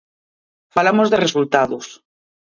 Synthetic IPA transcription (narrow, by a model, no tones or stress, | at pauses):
falamozðeresult̪aðʊs